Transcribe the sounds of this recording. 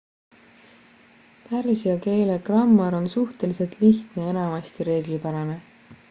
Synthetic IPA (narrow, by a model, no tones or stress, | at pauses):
pærsiɑke̞ːlekrɑmːɑɾo̞nsuht̪e̞lise̞lt̪liçt̪nee̞nɑmɑst̪iɾe̞ːɡlipæɾɑne